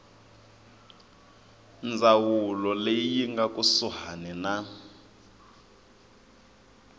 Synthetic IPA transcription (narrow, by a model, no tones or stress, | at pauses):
nd͡zawulɔlejjiŋɡakʼusuɦanina